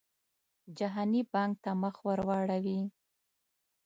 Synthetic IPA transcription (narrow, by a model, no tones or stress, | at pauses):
d͡ʒaɦɑnibɑŋk̚t̪aməxwəɾwɑɽawi